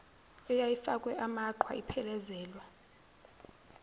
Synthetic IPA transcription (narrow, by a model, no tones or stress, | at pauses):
ɛjajifakʼwɛʔamaǃʰwa̰ipʰɛlɛzɛːlwa